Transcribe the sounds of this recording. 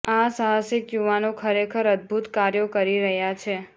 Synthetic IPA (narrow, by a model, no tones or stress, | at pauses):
asaɦasɪkjuʋanokʰəɾekʰəɾəd̪̚bʱut̪kaɾjokəɾiɾəɦjat͡ʃʰe